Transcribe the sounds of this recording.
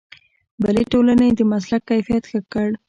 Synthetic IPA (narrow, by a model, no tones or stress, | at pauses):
bəleʈolaned̪əmas̬lakːajfijat̪xakəɽ